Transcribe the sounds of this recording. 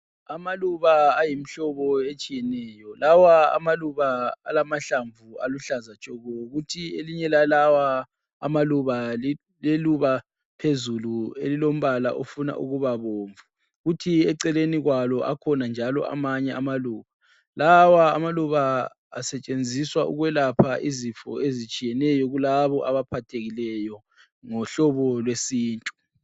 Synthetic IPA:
amaluβaːjim̩ɬɔβɔet͡ʃʼijɛnɛːjɔlawaa̰maluβaalamaɬaɱvua̰luɬazat͡ʃʼɔɣɔjɣutʰieliɲɛlalawa | a̰maluβa | leluβa | pʰezuluḛlilom̩βala̰ʔofuna̰ʔṵɣuβaβoːɱvu | ɣutʰiɛǀɛleniɣwalɔʔa̰kʰɔnand͡ʒʱalɔ̰a̰maɲɛamaluːβa | lawaːmaluβa | a̰sɛt͡ʃʼend͡zʱiswaṵɣwɛlapʰaʔizifɔ̰ezit͡ʃʼijɛnɛjɔɣulaβɔʔaβapʰatʰeɣilɛjɔ | ŋɔɬɔβɔlwesiːntʼu̥

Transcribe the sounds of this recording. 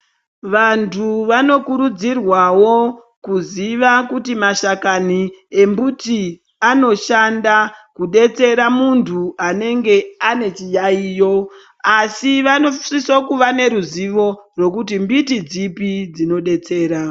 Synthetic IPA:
ʋantʰuʋano̞kuɾud͡zirwawo̞ | kuziʋakutimaʃakanie̞mbuti | ano̞ʃandakuɗe̞t͡se̞ɾamuntʰuane̞ŋɡe̞ane̞t͡ʃijaiːjo̞ | asiʋano̞sisokuʋane̞ɾuziʋo̞rwo̞kutimbitid͡zipid͡zino̞ɗe̞t͡se̞ːɾa

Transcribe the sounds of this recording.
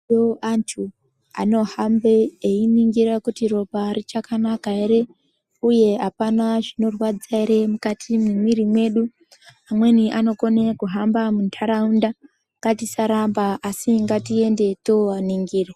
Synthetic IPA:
joantʰu | a̰no̞hambeːiniŋɡiɾakutiro̞parit͡ʃakanakaeɾe̞ | uje̞ɦapanaʐino̞rwad͡zaeɾe̞mukatʰimimwiɾimwe̞ːɗu | amwe̞niʔano̞ko̞nekuɦambamuntʰaɾaunda | ŋɡatisaɾambaʔːsiŋɡatie̞nde̞toaniŋɡiːre

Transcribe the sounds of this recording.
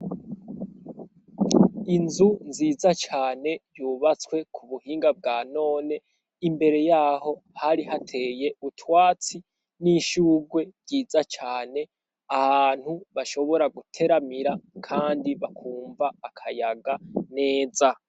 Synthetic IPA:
inzunziːzat͡ʃaːne̞juːβat͡skwe̞kʰuβuhiːŋɡab̚ɡaːno̞ːne̞ | imbe̞ɾe̞jaːho̞haɾihatʰe̞ːje̞utwaːt͡si | niʃuːɡwe̞ɾɟiːzat͡ʃaːne̞ | ahaːn̥huβaʃo̞βo̞ɾaɡutʰe̞ɾamiɾakʰaːndiβakʰuːɱvaːkʰajaɡane̞ːza

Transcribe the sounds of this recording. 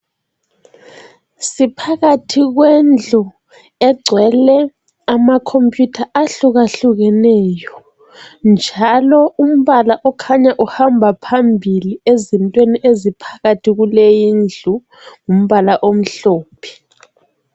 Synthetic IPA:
sipʰaɣatʰiɣwɛnd͡ɮʱu | ɛɡ͡ǀʱwɛlɛ | amakʰompʼjutʰaʔaɬuɣaɬuɣɛnɛːjɔ | nd͡ʒʱalɔum̩βalaʔɔkʰaɲaʔuhambʱapʰambʱiliezintʼweniʔezipʰḁɣatʰiɣulejiːnd͡ɮʱu | ŋum̩βalaʔom̩ɬoːpʰi̥

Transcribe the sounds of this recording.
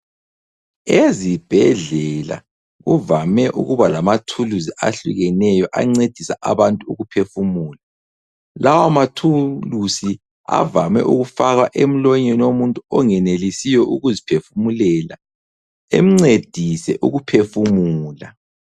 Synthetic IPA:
ezib̥ʱɛɮɛla̰ | ɣuvamɛʔṵɣuβalamatʰuluziʔa̰ɬṵɣɛnɛjɔʔa̰ŋ͡ǀed̥ʱisaʔa̰βantʼuuɣupʰefumuːla | lawamatʰulusi | a̰vamɛ̰ʔuɣufaɣaʔem̩lɔɲɛnomuntʼuɔŋɛnelisijɔʔuɣuzipʰefumulɛla | ḛm̩ŋ͡ǀed̥ʱisɛʔuɣupʰefumuːla̰

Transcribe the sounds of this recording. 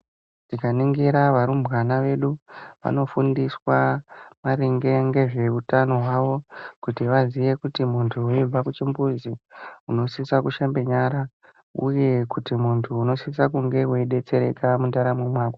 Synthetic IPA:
tikaniŋɡiɾaʋaɾumbɣanaʋe̞ɗuʋa̰no̞fundiswamaɾiŋɡe̞ŋɡe̞ʐe̞utano̞ɦwaʋo̞kutiʋaziʋe̞kutimuntʰuuib͡vakut͡ʃimbuziuno̞sisakuʃambe̞ɲaɾa | ṵje̞kutimuntʰuːno̞siisakuŋɡe̞weiɗe̞t͡se̞ɾe̞̰kamundaɾamwemwaːko

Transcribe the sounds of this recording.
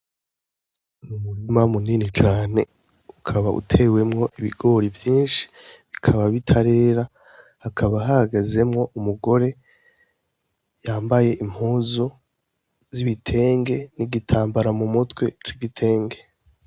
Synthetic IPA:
numuɾimamuniːnit͡ʃaːne̞ | ukʰaβa̰ʔṵtʰe̞we̞mŋo̞ʔiβiɡo̞ɾivjiːnʃi̥βikʰaβaβitʰaɾe̞ːɾa | hakʰaβaɦahaɡaze̞mŋo̞ʔumuɡo̞ɾe̞ | jaːmbaje̞ʔim̥huːzu | ziβitʰe̞ːŋɡe̞niɡitʰaːmbaɾamumutkwe̞t͡ʃiɡitʰe̞ːŋɡe̞

